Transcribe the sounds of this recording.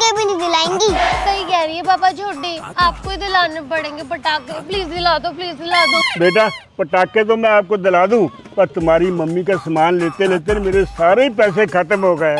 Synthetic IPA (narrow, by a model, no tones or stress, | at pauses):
kɛbenĩd̪ɪlaːẽːŋɡiːsəiːkɛːɾiɛːbaːpaːd͡ʒʰʱoːɖeːaːp̚koːiːd̪ɪlaːnepəɽẽːŋɡeːpəʈaːkːpliːzd̪ɪlaːd̪õːpliːzd̪ɪlaːd̪õːbeːʈaːpəʈaːkːet̪̬oːmɛ̃ːaːp̚koːd̪ɪlaːd̪ũː | pəɾt̪ʊmaːɾiːməmːiːkaːsəmaːnleːt̪eleːt̪eːnemeːɾesaːɾeːiːpɛːs̬ekʰət̪əmɦoːɡəeː